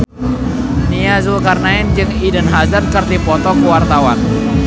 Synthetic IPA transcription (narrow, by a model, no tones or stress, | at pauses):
niazulkarnaɪnd͡ʒɨŋidənɦazərkərt̪ipɔt̪ɔkəwart̪awan